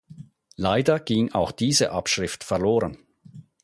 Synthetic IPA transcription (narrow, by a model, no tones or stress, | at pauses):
laɪdɐɡ̥iŋa̰ʊxd̥iːzə̰ʔapʃʁ̥ɪftfɛɐloːʁən